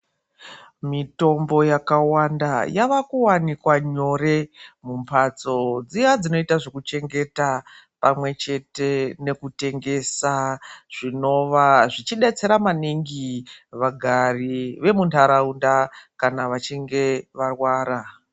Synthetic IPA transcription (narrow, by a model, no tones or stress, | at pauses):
mito̞mbo̞jakawandajaʋakuwanikwaɲo̞re̞mumpʰat͡so̞d͡zijad͡zino̞itaʐo̞kut͡ʃe̞ŋɡe̞ta | pamwe̞t͡ʃe̞te̞ne̞kute̞ŋɡe̞saʐ̥ino̞ʋaʐit͡ʃiɗet͡se̞ɾamaniŋɡiʋaɡʱariʋe̞muntʰaɾaundakanaʋat͡ʃiŋɡe̞ʋarwaːɾa